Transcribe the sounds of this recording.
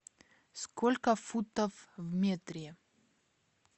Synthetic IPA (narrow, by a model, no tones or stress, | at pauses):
skolʲkəfut̪əfvmʲet̪ɾʲɪ